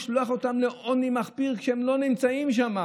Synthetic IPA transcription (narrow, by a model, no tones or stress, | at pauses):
ʃluaχo̞t̪amleʔʔonimaχpiʁkʃeemlo̞nimt͡saimʃ̬ama